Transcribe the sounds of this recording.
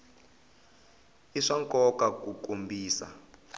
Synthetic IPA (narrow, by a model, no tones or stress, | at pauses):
iʂaŋkʼɔkakukʼombʱiːsa̰